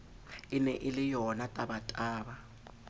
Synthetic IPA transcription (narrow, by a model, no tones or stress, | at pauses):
ɪnɛʔɪlɪjɔnatʼabatʼaːba